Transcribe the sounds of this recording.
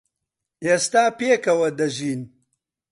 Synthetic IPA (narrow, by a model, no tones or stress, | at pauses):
ʔeːst̪aːpeːkɐwɐd̪ɐʒiːn